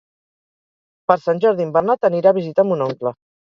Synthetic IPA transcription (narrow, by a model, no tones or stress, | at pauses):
pəɾsanʲʒɔɾðimbəɾnat̪əniɾaːβ̞izit̪amunɔŋklə